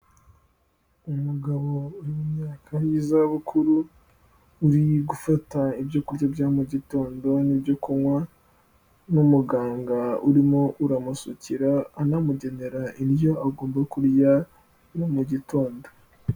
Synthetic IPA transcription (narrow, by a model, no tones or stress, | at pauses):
umuɡaβo̞uɾimumɲaːkʰajizaβukʰuɾuː | ɾiɡufataibjo̞kuɾjabjaːmuɟito̞ːndo̞nibɟokuŋwa | numuɡaːŋɡauɾimoʔuɾamusuciɾaːnamuɟe̞ne̞ɾaʔiɾjo̞ʔaɡo̞ːmbakuɾja | nomuɟito̞ːndo̞